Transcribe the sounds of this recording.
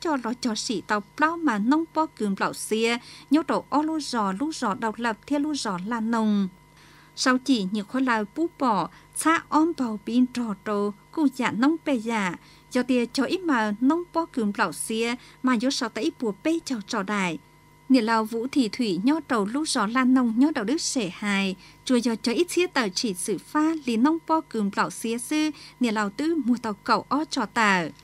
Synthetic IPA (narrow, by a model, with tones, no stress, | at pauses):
t͡ɕɔ˧˩lɔ˨˦t͡ɕɔ˨˩sḭ˧˨t̪a˨˩wpla˧wmaː˨˩nə˧˦wŋ͡mpɔ˧kɨ˨˦mla̰˧˨wsi˧˦əɲɔ˧˦to˨˩wʔɔ˧lo˧zɔ˧˩lu˧˥zɔ˨˩ɗə˨˩wt̚lə˨˩p̚t̪ʰi˧əlu˧˥zɔ˨˦laː˨˧˩nə˨˧˩wŋ | sa˨˧˦wt͡ɕi˧˩ɲɨ̰˧˨xɔ˧˦laː˨˩pu˧˦pɔ˧˩ | t͡sʰaː˧˥ʔɔ˧mpa˨˩wpi˧˦ntɔ˨˩to˧ku˧˩zaː˧˨nə˧wŋ͡mpe˧˩zaː˧˩˨ | zɔ˨˩t̪i˧˨ət͡ɕɔ˨˧ʔi˧˦˥maː˨˩nə˧wŋ͡mpɔ˧kɨ˨˦nbla˧˩wsi˧˦əmaː˨˩zo˨˧˦sɔ˨˩wt̪aː˧˨ʔi˦pu˨˧˩əpe˧t͡ɕɔ˧˩t͡ɕɔ˧˩ɗaː˧˩˨j | nḭ˧˩əla˨˩wvṵ˧˦t̪ʰi˧˩t̪ʰwi˧˩ɲɔ˧tə˨˩wlu˧˥zɔ˨˩˦laː˧˩nə˧˩wŋ͡mɲɔ˧˦ɗə˧˨wɗɨ˦˥k̚se˧˩haː˨˩jt͡ɕu˨˩əzɔ˨˩t͡ɕɔ˧˦ʔi˦˥tʰi˧˦ət̪əː˨˩t͡ɕi˧˩sɨ˧˩faː˧li˨˧˨nə˧wŋ͡mpɔ˧kɨ˨˦nbla˧˩wsi˨˧˦əsɨ˧nḭ˨˧˨əla˨˩wt̪ɨ˧mu˨˩ət̪ə˨˩wkə˧˩wʔɔ˧t͡ɕɔ˧˩t̪əː˧˩